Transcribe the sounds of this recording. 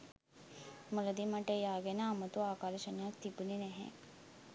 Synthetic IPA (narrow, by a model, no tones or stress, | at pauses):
mələd̪imaʈəejaːɡenəːmət̪uaːkaːɾʃənejakt̪ibuninɛɦɛ̰